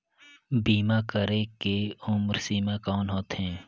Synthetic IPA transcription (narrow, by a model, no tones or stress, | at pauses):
biːmakəɾekeʊmɾsiːmakɔːnɦoːt̪ɦɛ̃ː